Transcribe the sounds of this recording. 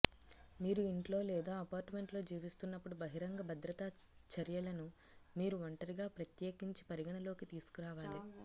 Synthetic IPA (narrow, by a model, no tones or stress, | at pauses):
miːɾuiɳʈlo̞ːlɛːd̪aːɐpaːɾʈme̞ɳʈlo̞ːd͡ʒiːʋist̪unːɐpːuɽubɐɦiɾɐŋɡɐbʱɐd̪ɾɐt̪a | t͡ʃɐɾjɐlɐnu | miːɾuʋɐɳʈɐɾiɡaːpɾɐt̪jeːkiɲt͡ʃi̥pɐɾiɡɐɳɐlo̞ːkit̪iːsu̥kuɾaːʋaːli